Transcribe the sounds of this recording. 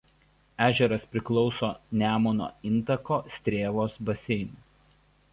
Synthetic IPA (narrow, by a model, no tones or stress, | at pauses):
æːʒʲɛɾɐspʲɾʲɪklˠɒʊsoːnʲæːmoːno̰ːɪnˑt̪ɐkoːsʲt̪ʲɾʲeːʋoːsbɐsʲɛɪnu